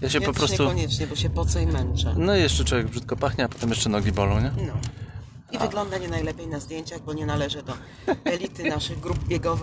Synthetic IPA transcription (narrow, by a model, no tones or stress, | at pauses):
jaɕɛpɔpɾɔsɲt̪uɔɲɛt͡ʂɲɛbɔɕɛpɔt̪sɔjmɛnt͡ʂɛ̰nɔijɛʂt͡ʂɛt͡ʂwɔvʲjɛɡbʐɘt̪̚kɔpaxɲɛapɔ̥t̪ɛmjɛʂt͡ʂɛnɔɡʲibɔlɔ̃w̃ɲɛnɔ | ivɨɡlɔnd̪aɲɛnajlɛpʲjejnazd̪jeɲt͡ɕaɣbɔɲɛnalɛʐɘd̪ɔ | ɛlʲit̪ɘnaʂɘɣɡɾub̚bʲjɛɡɔv